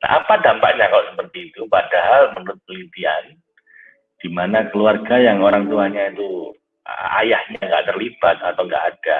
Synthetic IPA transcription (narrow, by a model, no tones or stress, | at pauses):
na̰ɦa̰padampaʔɲakaloʔsəpərt̪iːt̪upadaɦalmənuɾʊt̪̚pəlint̪ian | d̥imanakəluarɡajaŋoɾaŋt̪uaɲait̪ṵ | a̰jahɲaŋɡa̰ʔt̪ərlib̥at̪̚at̪awŋɡa̰ʔad̥a